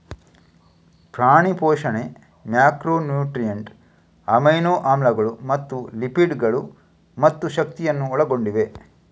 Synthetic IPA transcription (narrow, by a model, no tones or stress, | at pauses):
pɾaːɳipɔːʃɐne | mjaːkɾoːnjuːʈɾijɐɳʈ | ɐmɐjnoːʔaːmlɐɡɐɭumɐt̪ːulipiɖɡɐɭu | mɐt̪ːuʃɐkt̪ijɐnːuɔɭɐɡo̞ɳɖiʋe̞